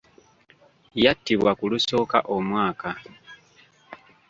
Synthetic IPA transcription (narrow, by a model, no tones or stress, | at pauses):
jatːiβwakuluso̞ːka̰ʔo̞mwaːka